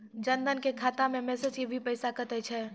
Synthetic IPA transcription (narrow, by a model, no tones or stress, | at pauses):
d͡ʒənd̪ənkekʰaːt̪ãmẽmɛːsed͡ʒkibʱipəɪsakət̪ɛt͡ʃʰɛ